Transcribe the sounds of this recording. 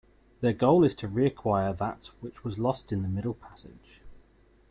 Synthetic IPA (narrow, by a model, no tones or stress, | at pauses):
ðəɡəʊlɪz̥tʰəɹiəkʰw̥aɪəðəʔwɪt͡ʃwɒzlɒstɪ̃nðəmɪɾəl̩ˠpʰasɪ̰d̥ʒ̥